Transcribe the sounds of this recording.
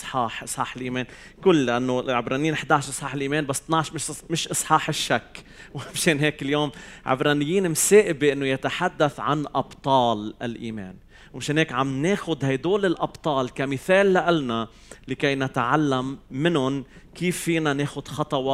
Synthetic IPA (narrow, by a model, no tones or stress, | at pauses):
sˤħɑːħʔɨsˤħɑːħɪlʔiːmeːn | kʊlːʔanːoʕɪbɾˤɑnijiːnʔɪħd̪aːʕʃˤʔɨsˤħɑːħɪlʔiːmeːnbasːt̪nɑʕʃmɪʃmɪʃʔɨsˤħɑːħɪʃːakː | wɪmʃeːnɦeːkɪljoːmʕɪ̰bɾˤɑːnɪjːiːnɪmseːʔɪbeʔɪnːojat̪aħad̪ːaθʕa̰nʔɑbt̪ˤɑːlɪ̰lʔḭːmḛːn | wmɪʃeːnheːkʕamneːxʊd̪hajd̪oːlɪlʔɑbt̪ˤɑːlkamɪθeːlːaʔalna | lɪkejnat̪ʕalːamːɪnʊn | kiːfːiːnaneːxʊd̪xɑt̪ˤɑwɑ